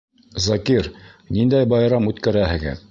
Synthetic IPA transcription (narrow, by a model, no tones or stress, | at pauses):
zɑkiɾnind̪æjbɑjɾɑmʉt̪kæɾæhɘ̆ɡɘ̰ð